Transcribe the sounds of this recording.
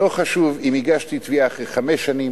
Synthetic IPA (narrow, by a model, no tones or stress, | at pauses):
oχaʃuvimiɡaʃt̪it̪viaaχeχameʃːanim